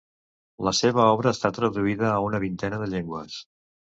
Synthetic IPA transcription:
ləseβəɔβɾəːst̪at̪ɾəðuiðəːunəβint̪ɛnəðəʎeŋɡwəs

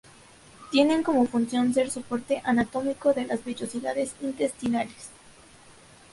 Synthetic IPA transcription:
t̪je̞ne̞ŋko̞mo̞funsjo̞nse̞ɾsopo̞ɾt̪e̞ʔanat̪o̞miko̞ðe̞lazβeʝo̞siðaðe̞sint̪e̞st̪inale̥s

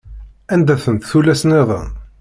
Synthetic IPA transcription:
ænd̪æθənt̪θulæsneðˤə̰n

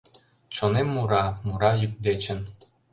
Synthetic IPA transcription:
t͡ɕonemːuɾɑmuɾɑjyk̚d̪et͡ɕə̆n

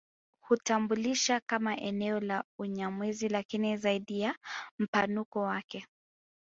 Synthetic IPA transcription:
hutambuliʃakamaʔɛnɛɔlauɲamwizilakinizaiɗijam̩panukɔwakɛ

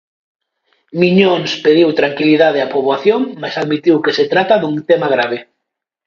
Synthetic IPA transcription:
miɲoŋspeðiwt̪ɾaŋkiliðaðeapoβaθjoŋmajsaðmit̪iwkeset̪ɾat̪aðuŋt̪ɛmaɣ̞ɾaβ̞e

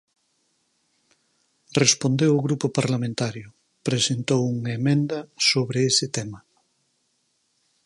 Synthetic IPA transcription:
respond̪ewʊɣɾupʊpaɾlamẽnt̪aɾjʊ | pɾesent̪owuŋaemẽnd̪ɐsoβɾeesɪt̪ɛmɐ

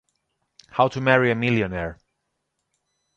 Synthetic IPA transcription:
haʊtʰɨmɛɹiɨmɪlˠjɨnɛɹ

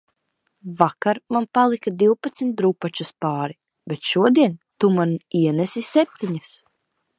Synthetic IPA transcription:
vakaɾmanpalˠikad̪iwpat̪smʲt̪̚d̪ɾupat͡ʃaspaːɾi | bɛt̪ʃuɔd̪iɛnt̪umaniɛnɛsisɛp̚t̪iɲas

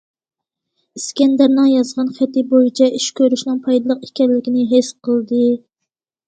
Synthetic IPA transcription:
iskʲɛnd̪ɛɾnɨŋjɑzʁɑnχæt̪ɪbojit͡ʃʰɛʔiʃkʲøɾyʃnɨŋpʰɑjd̪ɨlˠəqikʲɛllːɪkʲinɪɦesqʰəlˠd̪ɨ

